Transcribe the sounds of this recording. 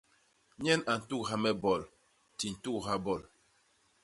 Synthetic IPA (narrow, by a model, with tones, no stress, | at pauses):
ɲɛ˦na˨n̩˨tu˦kɦa˦mɛ˦bɔ˨l | ti˨n̩˨tu˦˨kɦa˦bɔ˦˨l